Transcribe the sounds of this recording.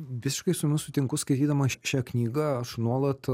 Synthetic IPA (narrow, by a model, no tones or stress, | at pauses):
ʋʲɪsʲɪʃkɐɪsʊmʲɪnʊsʊt̪ʲɪŋkʊskɐɪt̪ʲiːd̪ɐmɐʃʲæːknʲiːɡɐɐʃnuɔlˠɐt̪